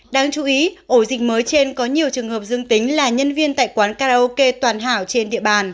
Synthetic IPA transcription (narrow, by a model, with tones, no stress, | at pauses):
ɗaː˧ŋt͡ɕu˨˦ʔi˨˦ʔo˧˩zï˨˩k̟̚məː˨˦jt͡ɕe˧nkɔ˨˦ɲi˨˩əwt͡ɕɨ˨˩əŋhəː˨˩p̚zɨ˧əŋt̪ï˨˦ŋ̟laː˨˩ɲə˧nvi˧ənt̪a̰ː˧˨jkwaː˨˦nkaː˧ɾa˧o˧ke˧t̪waː˨˩nɦaː˧˩wt͡ɕe˧nɗḭ˧˨əɓaː˨˩n